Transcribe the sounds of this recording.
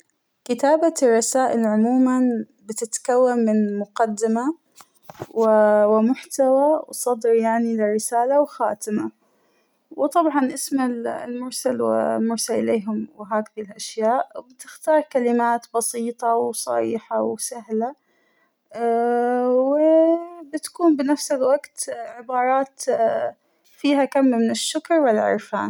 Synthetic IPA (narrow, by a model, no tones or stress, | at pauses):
kɪt̪aːbarˤːɑsaːʔɪlʕʊmuːman | bɪt̪ɪt̪kawːanːɪnmʊqad̪ːɪma | wɪwɪmʊħt̪awawsˤɑd̪ɾjaʕnilɪrɪsaːlawxaːt̪ɪma | wt̪ˤɑbʕɑnʔɪsmɪllmʊɾˤsalwɪ̰mʊɾˤsalʔɪleːɦʊmwɦaːkɪðilʔaʃjaːʔbɪt̪ɪxt̪ɑːɾˤkalɪmaːt̪bɑsiːt̪ˤɑwsˤɑ̰ɾiːħawsaɦla | wɪbɪt̪ḁkuːnbɪnafsɪlwaɡt̪ʕɪbɑːɾˤɑːt̪ | fiːɦakamːmɪnɪʃːʊkɾwɪlʕɪ̰ɾfa̰ːn